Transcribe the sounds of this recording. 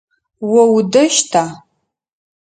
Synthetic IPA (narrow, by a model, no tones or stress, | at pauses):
wɔwdɐʃtʰaː